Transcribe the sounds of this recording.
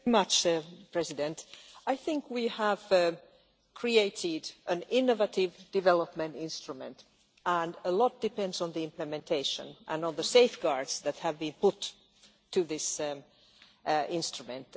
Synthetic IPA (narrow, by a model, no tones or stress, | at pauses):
mʌt͡ʃpʰɹ̥ɛzɪdɨ̃ntaɪθɪ̃ŋkwiəv | kʰɹ̥ieɪɾɪdʔə̃nɪ̃novəɾɪvdɨvɛlˠəpmɨ̃ntɪ̃nstɹ̥umɨ̰̃nt | ʔə̃nəlɔt̚d̥ɨpɛ̃ndzn̩ðiɪ̃mplɨmɛ̃ntʰeɪʃə̰̃nʔə̰̃nə̃nðəseɪfɡ̥ɑɹdz̥ðɨthəvbĩnpʊtʰː | ɨðɪs | ɪ̃nstɹ̥umɨ̃nt